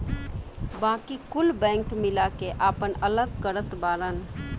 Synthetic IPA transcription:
bãːkikʊlbɛ̃ːŋkmɪlakeʔaːpənələɡ̚kəɾət̪baːɾən

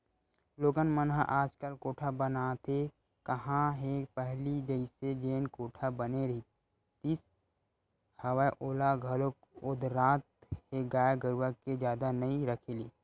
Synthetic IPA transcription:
loːɡənmənɦaʔaːd͡ʒkəlkoːʈʰabənat̪ʰe | kəɦãɦepəɦlid͡ʒəɪsed͡ʒeːnkoːʈʰabəneɾɐɦi | t̪is | həwəeʔoːlaɡʱɐlok | ʊd̪ɾaːt̪̚heɡaːjaɡəɾʋaked͡ʒjaːd̪anəiɾəkʰeliː

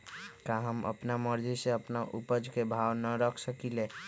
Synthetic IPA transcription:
kaɦəmə̰pnaməɾd͡ʒiseəpnaʔupəd͡ʒkebʱawnəɾəkʰsəkile

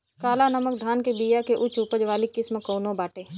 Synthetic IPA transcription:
kaːlanɐmək̚d̪ʱaːnkebiːjakeʔʊt͡ʃupəd͡ʒʋaːlikːɪsməkoːnõbaːʈeː

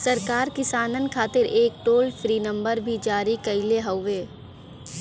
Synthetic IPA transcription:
sɐɾkaːɾkɪsaːnənkʰaːt̪ɪɾeːk̚ʈoːlpʰɾiːnə̃mbəɾbʱid͡ʒaːɾikɐɪleɦəʊʋeː

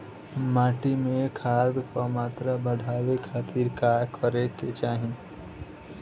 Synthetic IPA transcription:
maːʈimẽkʰaːd̪kamaːt̪ɾabəɽʱaːwekʰaːt̪ʰiːɾkakʰəɾeket͡ʃaːɦĩ

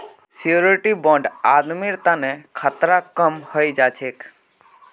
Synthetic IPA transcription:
sioɾɾɪʈibɔ̃ɳɖad̪miɾt̪anekʰat̪ɾakəmhəjd͡ʒat͡ʃʰek

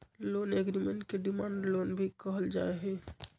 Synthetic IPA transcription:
loːneɡɾimẽɳʈkeɖimaːɳɖloːnbʱikəɦəld͡ʒa̰ːeɦɛ̃ː

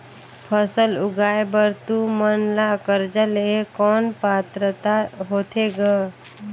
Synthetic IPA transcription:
pʰəsəlʊɡaːjbəɾt̪umənlakəɾd͡ʒəlekɔːnpaːt̪ɾət̪aɦoːt̪ʰeɡə

